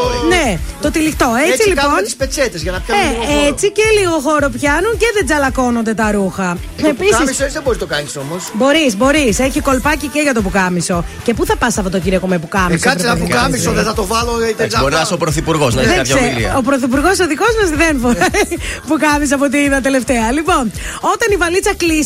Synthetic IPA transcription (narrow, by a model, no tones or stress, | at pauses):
net̪o̞t̪ilixt̪o̞et͡sillikɐonispet͡set̪ezʝɐnɐpçɐeet͡siceliɣo̞xo̞ɾo̞pçɐnunceðed͡zɐlɐko̞nond̪e̞t̪ɐɾuxɐ | episɐisissesðeboɾist̪okɐnisomosbo̞ɾisbo̞ɾiseçiko̞lpɐciceʝɐt̪o̞pukɐmiso̞ce̞puθɐpɐsɐpot̪ociɾokomepukɐmisɐseɐpukɐmisoðeθɐt̪ovɐloit̪eɐoɾiɐsopɾoθipuɾɣoznɐðeɐkɐeḭɐ̰opɾoθip̬uɾɣo̞soðiko̞zmɐsðenfoɾɐpukɐmis̬ɐpot̪̬iiðɐt̪ele̞ft̪eɐlipo̞no̞t̪ɐnivɐlit͡sɐklis